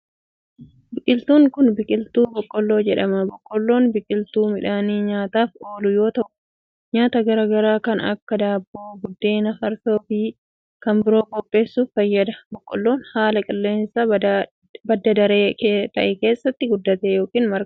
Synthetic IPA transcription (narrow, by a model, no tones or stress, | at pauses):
bɪkʼɪlt̪uːŋkʊnbɪkʼɪlt̪uːbɔkʼːɔlːo̞ːd͡ʒɛᶑɐmɐbɔkʼːɔlːo̞ːnbɪkʼɪlt̪uːmɪᶑaniːɲaːt̪aːfoːlʊjo̞ːt̪ɐʔʊ̥ | ɲaːt̪ɐɡɐɾaːɡɐɾaːkɐnɐ̰kːɐd̪aːbːoːɡʊd̪ːe̞ːnɐfɐɾso̞ːfiː | kɐmbɪɾo̞ːkʼɔpʼːe̞ːsːuːfːɐjːɐd̪ɐbɔkʼːɔlːo̞ːnhaːlɐkʼɪlːe̞ːnsa | bɐd̪ːɐd̪ɐɾeːt̪ɐ̰ʔɛke̞ːsːɐt̪ːɪɡʊd̪ːɐt̪eːjo̞ːkiːnmɐɾk